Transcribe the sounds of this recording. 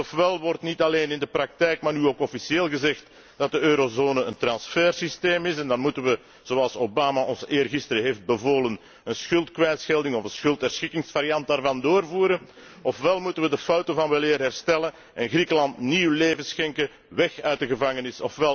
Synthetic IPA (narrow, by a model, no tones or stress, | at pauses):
ɔfʋɛlˠʋɔrtnitɑleːnɪndəprɑk̚tɛjkmaːrnyoːkɔfisieːlˠɣəzɛxt | d̥ɑt̚dəøːɾozoːnəəntrɑnsfɛːrsisteːmɪsɛndɑnmutənʋə | z̥oːɑlˠsobaːmaʔɔnzəʔɪːrɣɪstəɾəɦeːfd̚bəvoːlən | ənsxʏlˠtkʋɛjtsxɛlˠdɪŋɔvənsxɵlˠtɦɛrsxɪkɪŋsfaɾijɑnt̚daːrvɑndoːrvuːɾən | ɔfʋɛlˠmutənʋədəfɑwtəvɑnʋɛlɪːrɦɛrstɛlən | ɛnɣrikəlɑntniwleːvənsxɛŋkə | ʋɛxœɥt̚dəɣəvɑŋənɪsɔ̰fʋɛl